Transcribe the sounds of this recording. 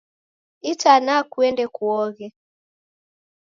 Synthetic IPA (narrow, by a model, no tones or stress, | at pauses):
itanakuɛndɛkuɔɣɛ